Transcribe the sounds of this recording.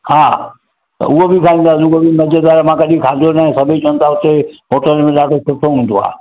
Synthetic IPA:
haː | t̪ɐ̰ʊɦobɪkʰaːĩːnd̪aːsɪʊɦobɪmɐd͡ʑəd̪aːɾmãkɐɗĩkʰaːd͡ʒonaːɦɪ̃sɐbʱit͡ɕɐʋən̆t̪ʰaʊt̪emoːʈəlmẽlaːʈʰosʊʈʰoɦũnd̪oa̰ː

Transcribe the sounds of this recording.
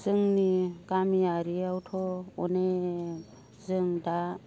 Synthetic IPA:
z̥ɯŋnikamiaɾiawtʰɔɔ̰ne | zɯŋda

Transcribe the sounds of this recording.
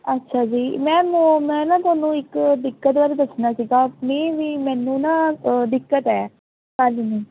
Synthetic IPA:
ətːʃʰaːd͡ʒiːmɛ̃ːmomɛ̃ːnãːt̪ʊaːnũːɪkd̪ɪkːət̪ʋaːɾd̪əsnaːsiːɡaːpneːʋiːmɛ̃ːnũːnãːd̪ɪkːət̪ɛː | kəlniː

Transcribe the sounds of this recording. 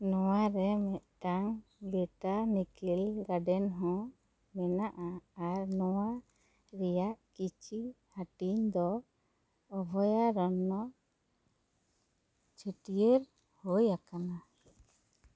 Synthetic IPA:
nɔwaɾɛmɛʔʈaŋɡɛʈanikilɡaɖɛnɦɔ̃ | mɛnaʔaːɾnɔwa | ɾɛjaʔkit͡ʃʰi | haʈiɲd̪ɔː | bʱɔjaɾɔnːɔ | t͡ʃʰəʈijeɾ | hojakana

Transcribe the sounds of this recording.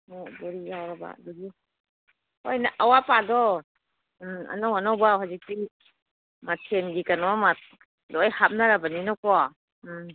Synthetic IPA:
ɔbɔɾijawɾaba̰a̰dɔɡi | ojnaʔawapadɔ | a̰nawanawbaɦazik̚ti | matʰenɡikanɔmat̚ | dɔɔjhap̚naɾabaninɔkɔ

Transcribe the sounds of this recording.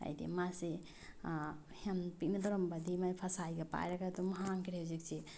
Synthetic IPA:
a̰jd̪ḭmase | henpik̚nad̪ɔɾɔmbad̪ʱimajpʰasajɡapa̰jɾakʰat̪umaɦaŋkiɾezik̚t͡ʃʰe

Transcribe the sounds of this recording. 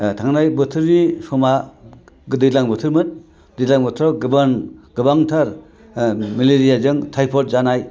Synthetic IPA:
tʰaŋnajbɯtʰɯɾːisɔma | ɡɯdɯlaŋbɯtʰɯɾmɯn | dilaŋbɯtʰɾɔɡɯbanɡ̥ɯbaŋtʰaɾ | mileɾijazɯŋtʰajpʰɔt̚zanaj

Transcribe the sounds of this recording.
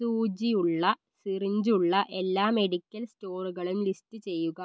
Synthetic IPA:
suːd͡ʑijuɭːɐ | siriɲd͡ʑuɭːɐʔe̞lːaːme̞ɽikʲːɐlsto̞ːruɣɐɭumlistɨt͡ɕe̞jːuɣɐ

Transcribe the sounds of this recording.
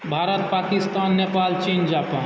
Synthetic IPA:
bʱaːɾət̪̚paːkɪst̪aːnːepaːlt͡ʃind͡ʒaːpãː

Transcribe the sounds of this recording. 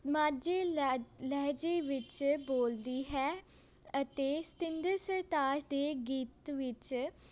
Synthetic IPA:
maːd͡ʒeːlɛːd͡ʒeːʋɪt͡ʃboːld̪iːɦɛː | ət̪eːst̪ɪ̃nd̪əɾsəɾt̪aːd͡ʒd̪eːɡiːt̪ʋɪt͡ʃ

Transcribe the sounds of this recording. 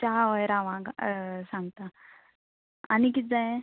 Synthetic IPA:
t͡ɕaʋəjɾaʋãɡsãŋɡt̪a | anik̬it̪̚d͡zaẽ

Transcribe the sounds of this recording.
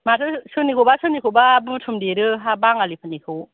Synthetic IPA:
matʰɯsɯnikʰobasɯnikʰobabɯtʰumdeɾɯɦabaŋalipʰɯnikʰɯw

